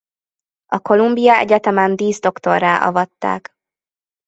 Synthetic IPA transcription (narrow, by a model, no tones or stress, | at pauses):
ɒko̞lumbijɒɛ̰ɟɛt̪ɛmɛnd̪iːzd̪o̞kt̪o̞rːaːʔɒ̰vɒt̪ːa̰ːk